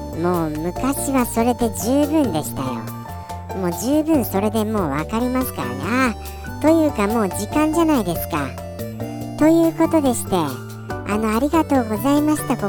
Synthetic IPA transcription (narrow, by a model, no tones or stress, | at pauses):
mo̞ːmɯ̟kaɕiβaso̞ɾe̞d̪e̞d͡ʑɨːbɯ̟̃nd̪e̞ɕi̥t̪ajo̞̰ | mo̞ːd͡ʑɨːbɯ̟̃ɰ̃so̞ɾe̞d̪e̞mo̞ːβakaɾʲimasɨ̥ka̰ɾa̰na | t̪o̞jɯ̟ːkamo̞ːd͡ʑikãɲ̟d͡ʑanaid̪e̞sɨ̥ka̰ | t̪o̞jɯ̟ːko̞t̪o̞d̪e̞ɕi̥t̪e̞ | ano̞aɾʲiɡat̪o̞ːɡo̞zaimaɕi̥t̪ako